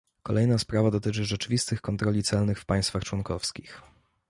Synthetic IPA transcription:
kɔlʔɛjnaspɾavad̪ɔt̪ɘt͡ʂɘʐɛt͡ʂɘvʲist̪ɘxkɔnt̪ɾɔlʲit̪sɛlnɘxfpaj̃st̪faxt͡ʂwɔnkɔfskʲix

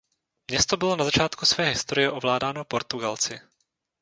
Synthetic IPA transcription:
mɲɛst̪o̞bɪlo̞nazat͡ʃaːt̪kusvɛːɦɪst̪o̞ɾɪjɛʔovlaːdaːnopo̞ɾt̪uɡalt͡sɪ

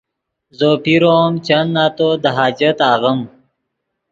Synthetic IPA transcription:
zopiɾoːmt͡ɕanːat̪od̪əɦaːd͡ʑət̪aːɣəm

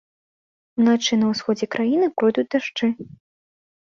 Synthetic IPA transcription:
unat͡ʂɨnɐwsxɔd͡zʲɛkɾʔajinɨpɾɔjd̪ut͡sʲd̪aʂt͡ʂɨ

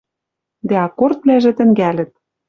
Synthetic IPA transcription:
d̪æɑkort̪̚βlæʒĕt̪ɘ̆ŋɡælʲɘ̆t̪̚

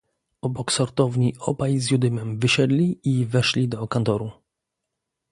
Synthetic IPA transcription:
ɔbɔksɔɾt̪ɔvɲiʔɔbajzjud̪ɘmɛmvɘɕɛd̪lʲiivɛʂlʲid̪ɔkant̪ɔɾu

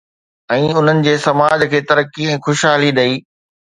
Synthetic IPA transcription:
ɛ̃ːʊn̤ənɪ̆d͡ʑeːsɐmaːd͡ʑkʰeːt̪ɐɾəkːiɛ̃ːxʊʃɦaːliɗɐiː

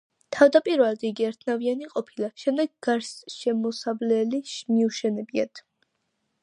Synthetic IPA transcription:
t̪ʰavd̪apʼiɾvɛlˠd̪iɡiɛɾt̪ʰnavianiqʼɔpʰilaʃɛmd̪ɛɡɡaɾsʃɛmɔsavlɛliʃmiuʃɛnɛbia̰t̪ʰ

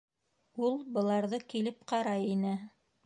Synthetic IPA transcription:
ulˠbɤ̆lˠɑɾðɤkilɘp̚qɑɾɑjinɘ

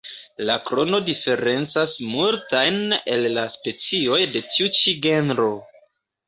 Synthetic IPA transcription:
lakɾo̞no̞dife̞ɾe̞nt͡sasmultajne̞lːaspe̞t͡sio̞jde̞tiut͡ʃiɡe̞nɾo̞

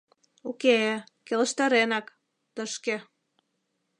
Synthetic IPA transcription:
uke | kelə̆ʃt̪ɑɾenɑk | t̪əʃkĕ

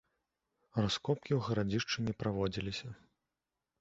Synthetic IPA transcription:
raskɔp̚kʲiwɣɐɾad͡zʲiʂt͡ʂɨnʲɛpɾavɔd͡zʲilʲisʲɐ

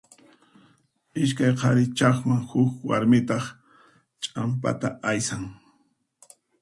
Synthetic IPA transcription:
ɪʃ̬kajqʰɑɾɪt͡ʃɑχmaŋhʊkwa̰ɾmɪt̪ɑχ | t͡ʃʼampa̰t̪a̰ajsaŋ

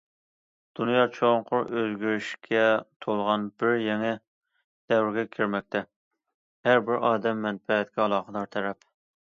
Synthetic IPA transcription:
d̪̥unjɑːt͡ʃʰoŋqʰʊɾøzɡʲyɾyʃkʲʰɛt̪ʰolˠʁɑnbɪɾjɛŋɛ | d̪̥ɛwɾɡʲɛkʲʰiɾmɛk̚ʲt̪ʰɛ | hæɾbɪɾʔɑːd̪ɛmːɛnfɛɦɛt̪kʲʰɛɑlˠɑːqəd̪ɑɾt̪ʰɛɾɛp

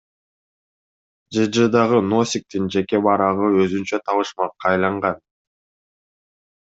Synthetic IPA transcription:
d͡ʒɯd͡ʒɯd̪ɑʁɯno̞sʲik̚t̪ind͡ʒe̞ke̞βɑɾɑʁɯø̞zynt͡ʃøt̪ʰɑβɯʃmɑq̚qɑːjlˠɑɴʁɑn

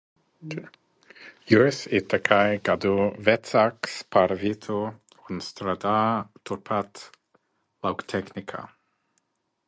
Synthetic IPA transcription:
jusɪt̪akʰajɡaduvɛtsakspʰaɾvitʰu | ɔnstɾad̪at̪ʰʊpʰat | lawkt̪ʰɛknɪkʰa̰

